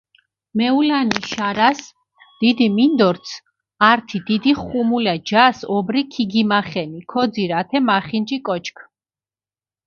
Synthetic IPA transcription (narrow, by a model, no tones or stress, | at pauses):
mɛulaniʃaɾas | d̪̥id̪imind̪ɔɾt̪sʰ | aɾt̪ʰid̪̥id̪iχumulɛd͡ʒasɔbɾikʰiɡimaχɛnikʰɔd̪ziɾat̪ʰɛmaχind͡ʒikʼɔt͡ʃʰkʰ